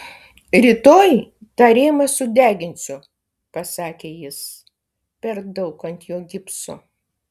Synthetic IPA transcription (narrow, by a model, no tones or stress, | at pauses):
ɾʲiːt̪oːjt̪ɑːɾʲeːmɐsʊd̪ʲæːɡʲɪnʲsʲʊ | pɐsɑːkʲeːjɪs | pʲɛɾd̪ɐʊkɐnt̪ʲjoːɡʲɪpsʊ̰